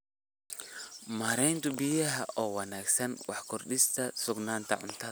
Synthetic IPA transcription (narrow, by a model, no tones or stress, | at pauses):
maːɾɛjnt̪ʰʊbijɐɦɐʔɔːwɑnaːɡsɐnwɑħkʰʊrɗɪst̪ʰɐsʊɡnaːnt̪ʰɐ̰ʕʊnt̪ʰɐ